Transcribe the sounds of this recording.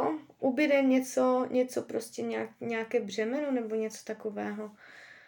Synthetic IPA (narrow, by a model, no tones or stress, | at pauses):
ʔubɪɾɛɲɛt͡soɲɛt͡sopɾoscɛɲaɲɛakɛːbr̝ɛmɛnonɛboɲɛt͡so̥t̪akovɛːɦo